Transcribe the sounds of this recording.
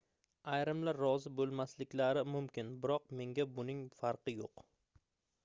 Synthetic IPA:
ajɾɪmlaɾːɒzɪbolˠmaslɪkʲlaɾɪmʊmkʲɪnbɪɾɒq̚me̞ŋɡʲabʊnɪŋfaɾqʰɨjoq

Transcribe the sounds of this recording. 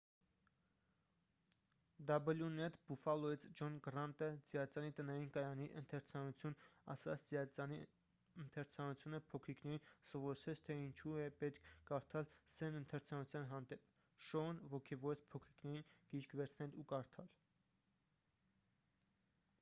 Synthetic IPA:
d̪ɑbəljunɛt̪bufɑlɔit͡sʰd͡ʒɔnɡɾɑnt̪əd͡zijɑt͡sɑnit̪ənɑɾinkɑjɑniʔənt̪ʰɛɾt͡sʰɑnut͡sʰjunɑ̰sɑt͡sʰd͡ziɑɑni | ənt̪ʰɛɾt͡sʰɑnut͡sʰjunəpʰɔkʰɾiknɛɾinsɔvɔɾsʰɛt͡sʰt̪ʰɛint͡ʃʰuɛpɛt̪kʰkɑɾt̪ʰɑlsɛnənt̪ʰɛɾt͡sʰɑnut͡sʰjɑnɦɑnd̪ɛp | ʃɔnvɔkʰɛvɔɾt͡spʰɔkʰɾiknɛɾinɡ̥iɾkʰvɛɾt͡sʰnɛlukɑɾt̪ʰɑl

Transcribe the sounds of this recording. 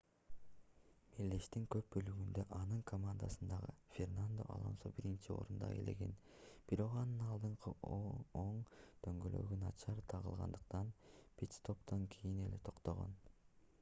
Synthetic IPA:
melːeʃt̪iŋkø̞p̚bø̞lyɡynd̪øʔɑnɯŋkʰomand̪asɯnd̪ɑʁɯfʲernand̪o̞̰ʔɑ̰lˠɑ̰nsobiɾint͡ʃio̞̰ɾund̪ɑ̰ḛle̞̰ɡe̞̰n | b̥iɾo̞qɑnɯnɑlˠd̪ɯɴqɯʔooɴt̪ʰø̞ŋɡølø̞̰ɡynɑt͡ʃɑɾt̪ʰɑʁɯ̰lˠʁɑ̰nd̪ɯqt̪ɑnpit̪st̪o̞pt̪ɑŋkʰijine̞le̞t̪ʰo̞qt̪o̞ʁo̰n

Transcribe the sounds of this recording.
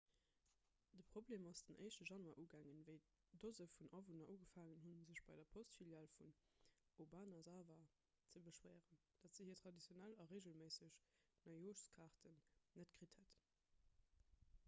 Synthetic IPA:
d̥əpʁ̥obleːmɑsd̥ənʔə̰ɪʃtəʒɑnuaːʔuːɡæːŋənvəɪ | dozəfunʔɑvunɐʔuːɡəfaːŋənɦunzəɕb̥ɑɪdɐpʰostfiljalfunobaːnɑzaːvɐ | t͡səbəʃwæːʁən | d̥ɑtz̥əhiːɐtχɑdit͡sjonælɑʁeːɡəlmeɪsəɕnɑɪjoːʃskʰɑʁtənːətɡ̥ʁithət

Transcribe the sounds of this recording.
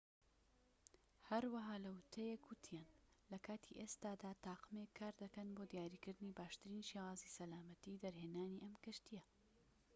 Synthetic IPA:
hɐɾwɐɦaːlɐwt̪ʰɐjekwʊt̪ʰijaːnlɐkʰaːt̪ʰiʔeːst̪aːd̪aːt̪aːqɨmekʰːaːɾd̪ɐkɐnbod̪ijaːɾiːkɨɾd̪ɨnibaːʃt̪ɨɾiːnʃewaːzisɐlaːmɐt̪id̪ɐɾheːnaːniʔɐmkɨʃt̪ijɐ

